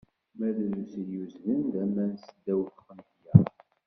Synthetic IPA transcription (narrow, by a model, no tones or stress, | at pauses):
mæðlusjuzðənd̪æmːænsəd̪æwθqənhjæ